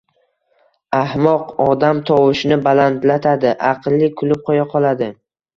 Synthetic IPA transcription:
ahmɒqɒd̪amt̪ʰɒwɪʃnɪbalant̪lat̪ʰad̪ɪʔaqʰɨlːɪkʰʊlɪp̚qʰojaqʰɒlˠad̪ɪ

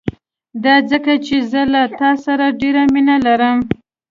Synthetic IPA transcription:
d̪ɑd͡zəkat͡ʃezəlat̪ɑsaɾaɖeɾaminalaɾəm

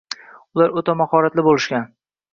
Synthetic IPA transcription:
ʊlaɾot̪ʰamahɒɾat̪lɪbolɪʃkʲan

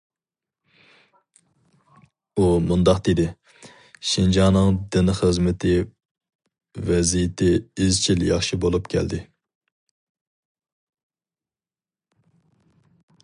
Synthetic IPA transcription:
umund̪ɑqd̪̥ed̪ɪ | ʃind͡ʒɑnɨŋd̪ɪnχəzmɪt̪ʰɪ | vɛzijɪt̪ʰɪizt͡ʃʰiljɑχʃibolˠupkʲʰɛ̰ld̪ɪ

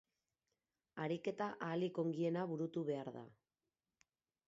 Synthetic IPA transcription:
aɾike̞t̪aʔaːliko̞ŋɡie̞naβuɾut̪uβe̞aɾða̰

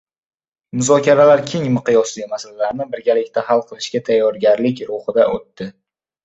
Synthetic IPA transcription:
mʊzɒkʲaɾalaɾkʲʰe̞ŋmɪqɨjɒslɪmasalalaɾnɪbɪɾɡʲalɪkʲt̪ʰaɦalˠqʰɨlˠɪʃkʲat̪ʰajːɒɾɡʲaɾlɪkʲɾʊhɨd̪aʔot̪ːɪ

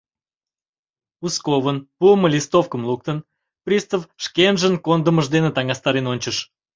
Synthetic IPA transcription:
uskoβənpuəməlʲist̪ofkəmlˠuk̚t̪ən | prʲist̪əfʃkʲenʒənkond̪əməʒd̪enət̪ɑŋɑst̪ɑɾenonʲt͡ɕəʃ

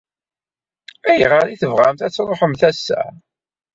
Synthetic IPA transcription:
æjəʁaɾiθəvʁæmθæt͡sːɾˤoħəmθæsːæ̰

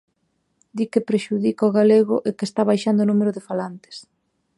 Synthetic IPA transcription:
d̪ikepɾeʃuðikaoɣaleɣʊʔekest̪aβajʃand̪ʊonumeɾʊðefalant̪ɪ̥s

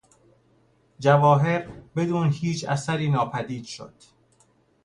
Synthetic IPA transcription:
d͡ʒævɒːɦe̞ɾbe̞d̪uːnhiːt͡ʃʰæ̰sæɾiːnɒːpʰæd̪iːd̪̥ʃo̰d̪̥

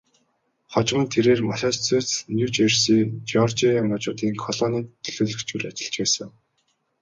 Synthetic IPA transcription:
χɔt͡ɕ̆mə̆nt̪ʰeɾeːrmaʃɔːst͡set͡snjuːt͡ɕersiːt͡ɕɔrt͡ɕijamat͡ɕʊːt̪iːŋkʰɔɮɔːniːt̪ʰːɵ̥ɮɵːɮɵ̆kt͡ɕuɮat͡ɕɪ̆ɬt͡ɕpæːsə̆ŋ

